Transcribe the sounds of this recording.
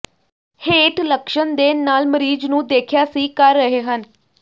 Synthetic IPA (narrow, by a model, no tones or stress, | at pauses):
heːʈləkʃənd̪eːnaːlməɾiːd͡ʒnũːd̪eːkʰjaːsiːkəɾːəɦeːɦən